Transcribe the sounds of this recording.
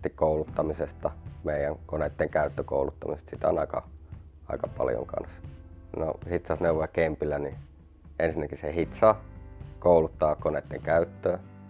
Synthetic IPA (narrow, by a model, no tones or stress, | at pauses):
t̪ikkoulut̪ːɑmisest̪ɑmeijˑæŋkoneˑt̪ːeŋkæyt̪ːøko̰ulut̪ːɑmisest̪sit̪æo̰nɑikɑ̰ | ɑikɑpɑ̰ljo̰ŋkɑ̰nsno̰hit̪sɑsneuʋojɑkempilːæni | ensinːækisehit̪sɑkoulut̪ːɑːkoneˑt̪ːḛŋkæyt̪ːøː